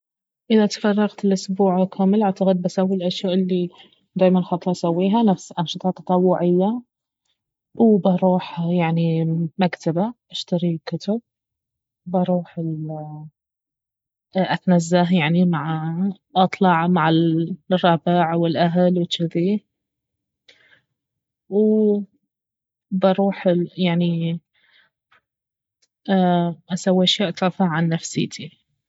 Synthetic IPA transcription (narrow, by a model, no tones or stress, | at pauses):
ʔɪðat̪fɑrˤːɑɣt̪ɪlʔʊsbuːʕkʰaːmɪlʔaʕt̪aɣɪd̪̚basawːilʔaʃjaːʔɪlːi | d̪aːjmanxɑt̪ˤɾˤɑʔsawːiːɦanafsʔɑnʃɨt̪ˤɑt̪ːɑ̥t̪ˤɑwːʊʕɪjːa | wbɑɾˤuːħjaʕnimakt̪abaʔaʃt̪aɾikʊt̪ʊb̚ | bɑɾˤuːħɪl | ʔat̪nazːaɦjaʕnimaʕ | ʔɑt̪ˤlɑʕmaʕɪrˤːɑːbɪʕwɪlʔaɦalwɪt͡ʃːɪði | w | bɑɾˤuːħjaʕni | aːʔasawːiʔaʃjaʔt̪ˤɾˤɑfaʕanːafsɪ̰t̪ʰi